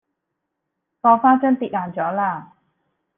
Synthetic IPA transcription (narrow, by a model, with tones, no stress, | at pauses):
kɔː˧faː˥nt͡ʃœ˥nt̪iː˧˩t̚laː˨˩nt͡sɔː˨˥laː˧˥˩